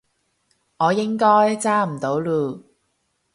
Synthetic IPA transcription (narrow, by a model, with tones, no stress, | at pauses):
ŋɔː˨˧jɪ˥ŋkɔː˥jt͡saː˥m̩˨˩t̪o˨˧˥wluː˨˧˩